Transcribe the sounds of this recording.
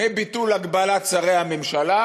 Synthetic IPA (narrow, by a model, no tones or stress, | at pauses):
ebit̪ulaɡbalatt͡saʁehamemʃala